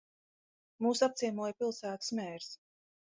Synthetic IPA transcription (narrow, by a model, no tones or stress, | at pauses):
muːsap̚t̪siɛmuɔjpilˠsæːt̪ɨ̥smʲɛːɾs